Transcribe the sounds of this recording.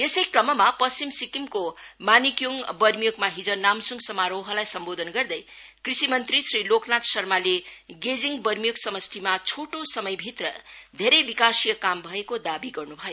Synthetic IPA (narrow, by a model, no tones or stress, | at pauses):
esʌjkrʌmʌmapʌst͡ɕimsikimkomanikjoŋbʌrmijokmaɦid͡zʌnamsuŋɡsʌmaɾowɦʌlajsʌmbod̪ʱʌnɡʌrd̪ʌj | krisimʌnt̪risriloknat̪sʌrmaleɡed͡ziŋbʌrmijoɡsʌmʌst̪ʰimat͡sʰoʈosʌmʌjbʱit̪rʌd̪ʱeɾʌjbikasijʌkambʱʌekod̪abiɡʌrnubʱʌjo